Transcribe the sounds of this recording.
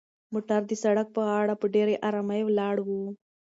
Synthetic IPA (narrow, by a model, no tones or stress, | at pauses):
muʈaɾd̪isɐɽɐk̚pɐɦaːɽɐpɨɖeɾeʔɐɾamɐjʋlaːɽʋu